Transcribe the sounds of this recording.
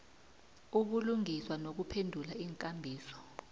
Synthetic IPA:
uɓuluŋiswanok̬upʰendʱulaiːŋkʼambʱiːsɔ̥

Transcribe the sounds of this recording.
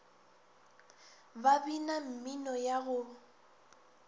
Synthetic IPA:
babinam̩minɔjaɣʊ

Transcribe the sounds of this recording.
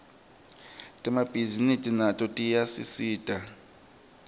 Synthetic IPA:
tʼɛmab̥ʱizinitʼinatʼɔtʼijasḭsiːtʼa

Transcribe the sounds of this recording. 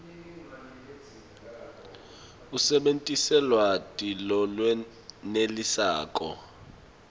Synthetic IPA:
usɛɓentʼisɛlwatʼilɔlwɛ | nelisa̰ːkʼɔ̰

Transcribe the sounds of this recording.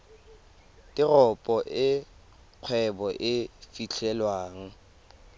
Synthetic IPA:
tɪrɔpʼɔʔɪ | q͡χʰwɛbɔʔɪfit͡ɬʰɛlwaːŋ̩

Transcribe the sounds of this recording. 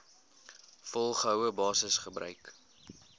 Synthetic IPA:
fɔlˠχəɦəwəbɑːsəsχəbrœ̰ɥk

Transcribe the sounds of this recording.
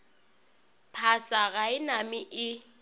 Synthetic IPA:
pʰasaɣaɪnamɪʔɪ

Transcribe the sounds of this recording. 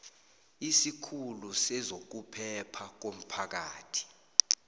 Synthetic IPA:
isikʰulusɛzok̬upʰɛpʰak̬om̩pʰak̬aːtʰi̥

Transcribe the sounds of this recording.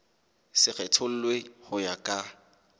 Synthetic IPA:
sɪk͡xɛtʰʊl̩lwehʊjakʼa

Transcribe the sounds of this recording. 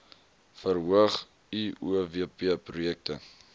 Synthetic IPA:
fəɾɦuəχ | iuveəpiəprujɛk̚tə̰

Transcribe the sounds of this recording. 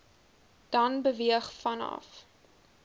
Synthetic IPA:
d̥ɐnbəviəχfɐnɐ̰f

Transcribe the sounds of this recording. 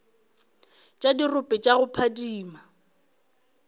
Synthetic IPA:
t͡ʃʼadirʊpʼɛt͡ʃʼaɣʊpʰadiːma

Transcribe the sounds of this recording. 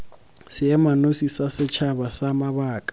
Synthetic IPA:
sɪɛmanosisasɪt͡ʃʰabasamaβaːkʼḁ

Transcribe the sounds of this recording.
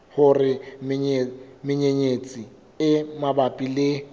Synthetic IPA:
hʊrɪmɪɲemɪɲeɲet͡sʼi | ɪmabapʼilɪ

